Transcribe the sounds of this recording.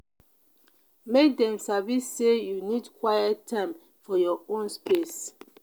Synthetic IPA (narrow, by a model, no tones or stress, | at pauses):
mek̚dɛ̃msavisːejunidkwajɛtʰːãɪ̃m | fɔjɔõnspes